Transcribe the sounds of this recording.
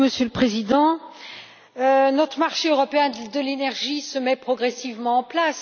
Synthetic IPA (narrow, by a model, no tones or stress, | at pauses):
məsjøləpχezid̪ɑ̃ | ønɔt̪χəmaʁʃeøʁɔpeɛ̃d̪əlenɛʁʒisəmɛpχɔɡʁɛsivmɑ̃ɑ̃plas